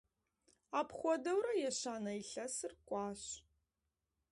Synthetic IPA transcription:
aːpʰχʷɔdɐwɾɐjɛɕaːnɐiɬɐsɨrkʷʼɑːɕ

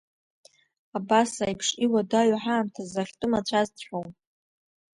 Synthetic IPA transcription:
abasajpʰʂiwadaʕaħaːmtʰazaχʲtʼʊmat͡ɕʷʰazt͡ɕʷʰħʷowm

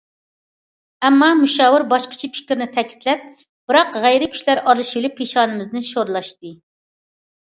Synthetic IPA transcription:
ɛmːɑmuʃɑːwɪɾbɑʃqʰə̥t͡ʃʰipʰi̥kʲɾnɪt̪ʰɛkʲʰi̥t̪lɛp̚ | b̥ɨɾɑqʁæjɾɪkʲʰy̥ʃlæɾɑɾlˠɨʃɪlɪpʰːeʃɑːnɨmɪznɨʃoɾlˠɑʃt̪ɨ

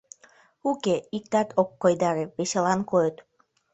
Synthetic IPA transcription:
ukeik̚t̪ɑt̪ʰokːojd̪ɑɾeβeʃelɑnkojət̪

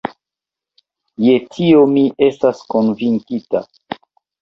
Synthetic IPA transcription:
je̞tʰio̞mie̞staskonviŋkita

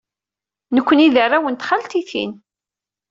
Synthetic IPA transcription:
nəkʷːəniðərˤːawənt̪χalt̪iθḭn

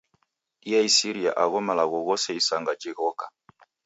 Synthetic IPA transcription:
iaisiɾia̰ʔaɣɔmalaɣɔɣɔsɛisaŋɡad͡ʒɛɣɔka

